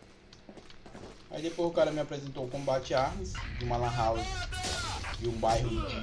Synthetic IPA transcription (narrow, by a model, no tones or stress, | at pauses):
a̰id̪epojzʊkaɾɐmɪapɾezẽnt̪oukõmbat͡ʃɪaɾmisd͡ʒɪmalãɦaw | d͡ʒɪũbajɦʊi